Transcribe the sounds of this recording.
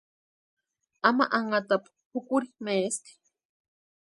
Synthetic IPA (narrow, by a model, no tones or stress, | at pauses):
ama̰ʔaŋat̪ap | hukuɾimeːst̪i̥